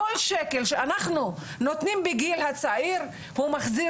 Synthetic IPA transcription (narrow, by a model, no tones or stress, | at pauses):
olʃekelʃeanaχnu | not̪nimbiɡilhat͡saʔiʁ | humaχzi